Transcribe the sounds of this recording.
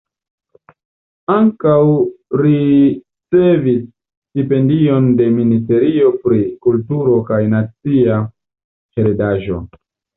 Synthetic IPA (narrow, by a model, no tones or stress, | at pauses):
aŋkawɾi | t͡se̞vis | tipe̞ndio̞nde̞minis̬te̞ɾio̞pɾikultuɾo̞kajnat͡sia | χeɾedaʒo̞̰